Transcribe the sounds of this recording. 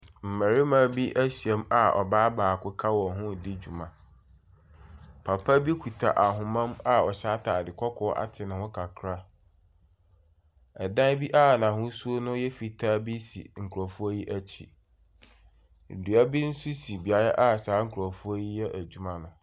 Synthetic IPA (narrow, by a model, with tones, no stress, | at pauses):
m̩˨mɛ˨ɾɪ˦mã˦bi˦ʔæ˦ɕi˨ɛ˦ma˨ɔ̰˨baː˦baː˨kʰʊ˦kʰa˦wɔ˨ɦʊ̃˦˨di˦d͡ʑu˨mã˨ | pʰa˨pʰa˦bi˦kʰu˨tʰa̰˨ʔa˨ɦʊ̃˨mã˦ma˦ɔ˨ɕa˦tʰa˨dɪ˨kʰʷɔ˦kʰɔ˦ʔa̰˨tʰɪ˨nʊ̃˨hʊ̃˦kʰa˨kʰɾa˦ | ɛ˨dã˦bi˦ʔa˦˨nã˨hʊ̃˦su˦o˦nʊ̃˦jɛ˦fi˨tʰa˦bi˦sḭ˨ŋ̩˨kʰu˨ɾɔ˨fu˦o˦ji˦ʔæ˦t͡ɕʰḭ˨ | du˨a˦bi˦n̩˦su˦si˨bi˨a˨ɾa˦ʔa˦˨saː˨˦ŋ̩˦kʰu˨ɾɔ˨fu˦o˦ji˦jɛ˦ʔæ˨d͡ʑᶣu˦mã˦nʊ̃˨